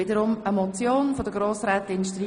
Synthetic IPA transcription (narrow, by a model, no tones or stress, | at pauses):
ɪdəɾʊməmɔt͡sjoːnfod̥əɡɾoːsɾɛːt̪ɪnʃtɾi